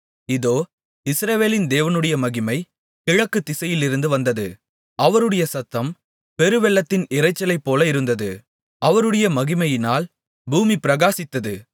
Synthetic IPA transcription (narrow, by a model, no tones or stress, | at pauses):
ɪðoː | ɪsɾɐʋeːlɪnd̪eːʋɐnɯɽɐjɐmɐɣɪmɐɪ | kɪɻɐkːɯt̪ːɪsɐjɪlɪɾɯnd̪ɯʋɐnd̪ɐðɯ | ʔɐʋɐɾɯɽɐjɐsɐt̪ːɐm | pɛɾɯʋɛlːɐt̪ːɪnɪɾɐɪt͡ʃːɐlɐɪpːoːlɐɪɾɯnd̪ɐðɯ | ɐʋɐɾɯɽɐjɐmɐɣɪmɐjɪnaːl | buːmipɪɾɐɣaːsɪt̪ːɐðɯ